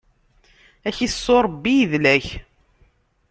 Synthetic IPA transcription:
æçiθsːoɾˤbːijðlæç

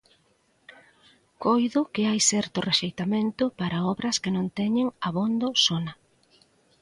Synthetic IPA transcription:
kojðʊkɪajsɛɾt̪ʊreʃejt̪amẽnt̪ʊpaɾaɔβɾɐskɪnõŋt̪ɛɲɪŋaβond̪osonɐ

